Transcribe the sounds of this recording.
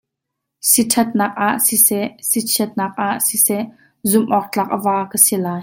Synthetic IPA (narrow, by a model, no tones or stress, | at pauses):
sitʰɐt̪̚naːk̚ʔaʔsisɛʔsit͡sʰiət̪̚naːk̚ʔaʔsisɛʔ | zʊmʔɔːk̚t͡ɬaːk̚ʔəvaːkəsilaːj